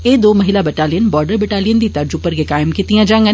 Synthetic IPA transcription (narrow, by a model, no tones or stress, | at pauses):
eːd̪oːmɐɦɪlabɐʈaːlijənbɔːɾɖəɾbɛʈaːlijənd̪it̪aɾd͡ʒʊpəɾkekaːɪmkit̪ijãd͡ʒãːŋɡə